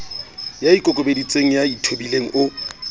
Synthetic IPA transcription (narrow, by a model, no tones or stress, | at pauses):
jaikʼʊkʼobedit͡sʼeŋ̩jaitʰobileŋ̩ʔʊ